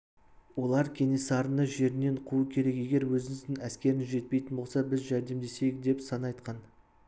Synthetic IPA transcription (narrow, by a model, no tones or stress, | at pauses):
wo̞lˠɑɾkʲʰe̞ne̞sɑɾənəʒe̞ɾɪne̞ɴqʰuəkʲʰe̞ɾe̞ke̞ɡʲe̞ɾwɵzɪŋɪzd̪ɪŋæskʲe̞ɾɪnʒe̞t̪̚pe̞jt̪ɪnbo̞lˠsɑbɪzʒæɾd̪e̞md̪e̞se̞jɪk̚d̪e̞psɑnɑjt̪qɑn